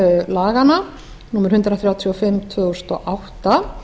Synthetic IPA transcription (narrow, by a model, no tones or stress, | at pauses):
laːɣana | nuːmʏɾ̥hʏnt̪ɾaθɾjaːwt̪ʰiɔfɪmːt̪ʰvʏɣʏst̪ɔʔawht̪a